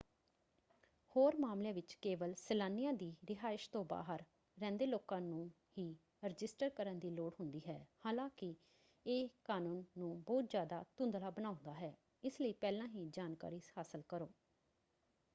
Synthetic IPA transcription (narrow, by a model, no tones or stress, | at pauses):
hoːɾmaːmleaːʋɪt͡ʃkeːʋəlsəlaːnːijãːd̪iːɾɪɦaːɪʃt̪õːba̰ːɦəɾː | ɛ̃ːnd̪eːloːkãːnũː | hiː | ɾɪd͡ʒɪsʈəɾkəɾənd̪iːloːɽɦʊnd̪iːɦɛːhaːlãːkɪ | eːkaːnũːnːũːbɔːt̪zjaːd̪aːt̪ʊ̃nd̪laːbənaːʊ̃nd̪aːɦɛː | ɪsləiːpɛːlãːɦiːd͡ʒaːnka̰ːɾiːhaːsəlkəɾoː